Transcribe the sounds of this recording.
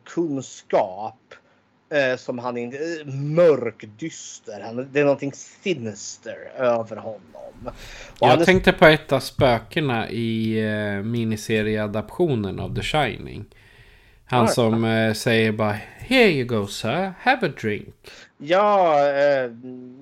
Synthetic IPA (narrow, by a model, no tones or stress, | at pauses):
kʰɵnskɑːp | sɔmhanɪnəmœɾkd̪ʏst̪əɾhand̪ɛænɔnt̪ʰɪŋsɪnɪst̪əɾøːvəɾhɔnːɔ̰mɔjɑaɡd̪ʰɛŋk̚t̪əpʰɔɛt̪ːavspøːkəɳaʔɪ | miːnɪseːɾɪəad̪apɧuːnəna̰vd̪ɛʂajnɪ̰ŋ | hanssɔmsɛjːəɾbɑːhɛjəɡoʊsəhævəd̪ɾɪŋkjɑː